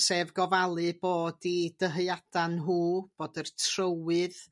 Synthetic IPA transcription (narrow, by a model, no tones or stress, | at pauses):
sevɡɔvalˠɨboːdid̥əɦəjad̥anɦuːb̥oːdərtʰrəwɨð